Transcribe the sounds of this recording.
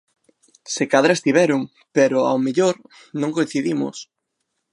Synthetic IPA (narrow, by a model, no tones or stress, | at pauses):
sekaðɾɐest̪iβɛɾʊŋ | peɾʊa̰wmeʎoɾ | nõŋkoĩn̟θiðimʊ̰s